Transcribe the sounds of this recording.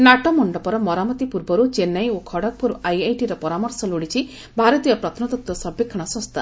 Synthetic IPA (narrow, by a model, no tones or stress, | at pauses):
naʈɔmɔɳɖɔpɔɾɔmɔɾamɔt̪ipuɾbɔɾut͡ʃenːajokʰɔɽɔk̚puɾajajʈiɾɔpɔɾamɔɾsɔloɽit͡ʃʰi | bʱaɾɔt̪ijɔpɾɔt̪ʰnɔt̪ɔt̪wɔsɔbekʰːɔɽ̃ɔsɔ̃st̪a